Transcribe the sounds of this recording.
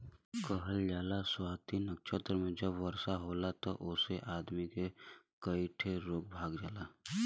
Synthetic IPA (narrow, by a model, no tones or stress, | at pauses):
kəɦəld͡ʒaːlaswaːt̪inəkʃət̪ɾmẽd͡ʒəbʋəɾsaɦoːlat̪oʔʊseʔaːd̪mike | kəiʈʰeɾoːk̚bʱaːɡd͡ʒaːlaː